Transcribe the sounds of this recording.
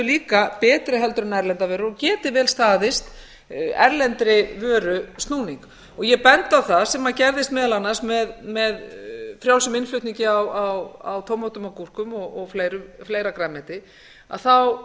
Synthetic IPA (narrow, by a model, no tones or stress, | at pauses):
ʏliːkapɛːt̪ɾɪɦɛlt̪ʏɾʏnaɛɾlɛnt̪avɛːɾʏɔcɛːt̪ɪvɛːlst̪aːðɪst̪ | ɛ̰ɾlɛnt̪ɾɪvœːɾʏst̪nuːniŋk | ɔɣjɛpɛnt̪awθaðsɛmaðcɛɾðɪst̪mɛːðalanːasmɛðmɛðfɾjaːwsʏmɪnflʏht̪niɲcɪawawa̰wt̪ʰowmːowt̪ʏmawkur̥kʏmɔɣɔɣflejɾʏfleːjɾakɾaːmɛt̪ɪ | a̰ðθaw